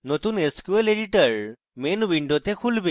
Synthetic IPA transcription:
not̪uneskueleɖiʈəɹ | menbiɳɖot̪ekʰulbe

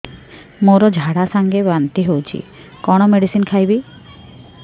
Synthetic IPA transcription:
moɾɔd͡ʒʱaɽasaŋɡebanʈ̪iɦowt͡ʃʰḭ | kɔɽ̃ɔmeɖisinkʰajbi

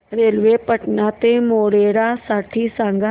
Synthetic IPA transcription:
ɾeːlʋepəʈnat̪emoːɽeːɽasaːʈʰisãːŋɡa

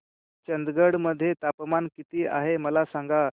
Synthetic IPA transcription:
t͡ɕənd̪ɡəɽməd̪ʱːjet̪apmankit̪iːʔa̰ɦeməlasaŋɡa

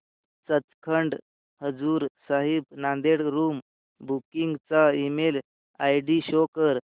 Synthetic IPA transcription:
t͡sət͡skʰəɳɖ | həd͡zuːɾsaɦib̚nãnd̪eɽɾum | bʱukiŋɡt͡saimel | ajɖiɕokəɾ

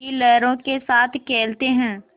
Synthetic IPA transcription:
ilɛːɾõkesaːt̪ʰkɛːlt̪eɦɛ̃ː

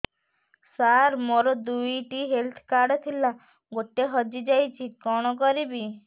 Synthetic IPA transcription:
saɾmoɾɔd̪ujʈiɦelt̪ʰkaɾɖɔt̪ʰila | ɡoʈeɦɔd͡ʒid͡ʒajt͡ʃʰikɔɽ̃ɔk̬ɔɾibi

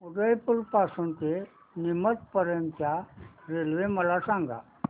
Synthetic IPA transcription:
uɡəjpuɾpaːsunt̪e | nɪmət̪̚pəɾənt͡ʃaɾeːlʋeməlasãːŋɡa̰

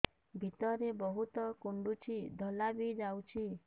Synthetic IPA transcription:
bʱit̪ɔɾebɔɦut̪ɔkuɳɖut͡ʃʰid̪ʱɔlabid͡ʒawt͡ʃʰi

